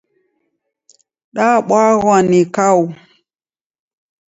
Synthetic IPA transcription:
ɗaɓaɣwanikawu

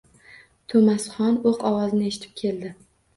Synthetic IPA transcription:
t̪ʰomasχɒnoqɒwɒzɪnɪeʃɪ̥t̪ʰɪ̥p̚kʲʰe̞ld̪ɪ

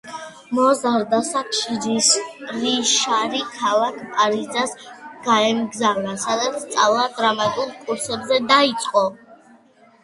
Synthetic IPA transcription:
mɔzaɾd̪asakʰʃid͡ʒisɾiʃaɾikʰalˠakʰpʼaɾid̪zasɡ̥aɛmɡzanasad̪at̪sʰt̪sʼalˠad̪ɾamat̪ʼulˠkʼuɾsɛbzɛd̪ait̪sʼqʼɔ

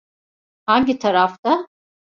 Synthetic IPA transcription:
haɲɟit̪ʰaɾaft̪a

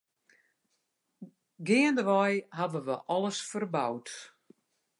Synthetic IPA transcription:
ɡɪəndəʋɔjɦaʋəʋəʔɔləsfərbawt

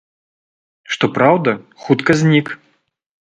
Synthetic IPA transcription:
ʂt̪ɔpɾawd̪ɐxut̪kɐzʲnʲik

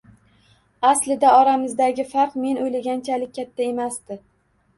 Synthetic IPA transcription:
aslɪd̪aɒɾamɪzd̪aɡʲɪfaɾqme̞nʔojlaɡʲant͡ʃʰalɪk̚ʲʰːat̪ʰːae̞masd̪ɪ

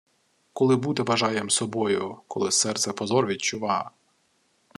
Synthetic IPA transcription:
kɔlˠɪbut̪ɛʋɐʒɑjemsɔbɔjʊkɔlˠɪsɛrt̪sɛpɔzɔrʋʲidʲt͡ʃʊʋɑ

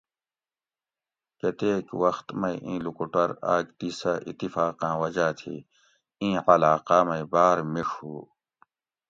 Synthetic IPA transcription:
ket̪eːkwɐxt̪mɐĩʔĩːlukuʈɐɾa̰ːɡt̪iːsaʔḭt̪ːifaːqãːwɐd͡ʑaːt̪ʰḭː | ĩːɐlaːqaːmɐibaːɾmiʂhuː

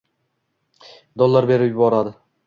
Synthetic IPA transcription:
d̪olˠːaɾbe̞ɾɪpjʊbɒɾad̪ɪ

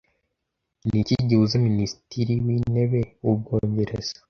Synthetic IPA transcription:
niciɟiuzaminisitiɾiwiːne̞βe̞ub̚ɡoːɲɟe̞ɾez̥ḁ

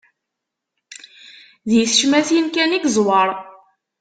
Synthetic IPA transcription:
ðjəθʃmæθjənkæniɡzˤwɑɾˤ

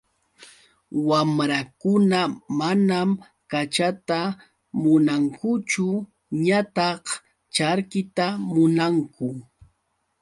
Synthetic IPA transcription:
wamɾakʊnamanam | kat͡ʃat̪a | mʊnaŋkʊt͡ʃʊ | ɲat̪ɑχ | t͡ʃaɾkɪt̪amʊnaŋkʊ

